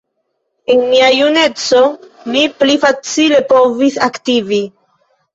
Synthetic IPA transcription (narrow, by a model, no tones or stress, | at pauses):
enmiajune̞t͡so̞ | miplifat͡sile̞po̞visaktivi